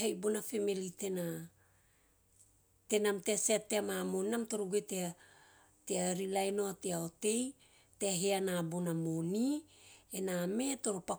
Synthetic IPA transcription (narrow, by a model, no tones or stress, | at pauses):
ajbonafemilitena | te̞namteaseatːeamamoninamto̞ɾoɡuetea | teaɾilajno̞ateaote̞j | teaɦeanabonamonienaːme̞to̞ɾopa